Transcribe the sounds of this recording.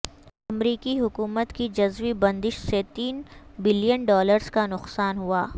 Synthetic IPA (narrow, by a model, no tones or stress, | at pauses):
ɐmɾiːkiɦʊkuːmət̪kid͡ʒɐzʋibɐ̃nd̪ɪʃset̪iːnbɪlijənɖɔːləɾzkanʊqsaːnɦuaː